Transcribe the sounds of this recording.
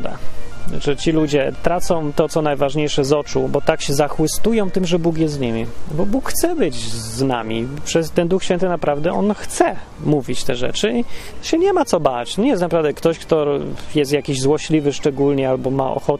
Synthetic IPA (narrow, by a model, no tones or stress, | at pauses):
d̪a̰ʐɛt͡ɕilud͡ʑɛt̪ɾat̪sɔ̃w̃t̪ɔt̪sɔnajvaʐɲejʂɛzɔt͡ʂubɔt̪akɕɛzaxwɘst̪ujɔ̃w̃t̪ɘmʐɛbukjɛst̪ɲimʲibɔbukxt̪sɛbɘd͡ʑzna̰mʲipʂɛst̪ɛnd̪uxɕfʲɛnt̪ɘnapɾavd̪ɛɔ̰nxt̪sɛ | muvʲit͡ɕt̪ɛʐɛ̰t͡ʂɘiɕɛɲɛmat̪sɔbat͡ɕɲɛjɛst̪napɾavd̪ɛkt̪ɔɕkt̪ɔjɛst̪jakʲiʑzwɔɕlʲivɘʂt͡ʂɛɡulɲɛalbɔma̰ʔɔ̰xɔt̪